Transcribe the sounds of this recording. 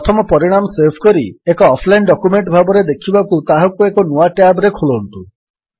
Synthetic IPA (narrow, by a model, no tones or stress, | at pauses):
t̪ʰɔmɔpɔɾiɽ̃amɔseɾbʰʱkɔɾiekɔːpʰlajnɖɔkumeɳʈbʱabɔɾed̪ekʰibakut̪aɦɔ̃kuekɔnuaʈjabɾekʰolɔnt̪u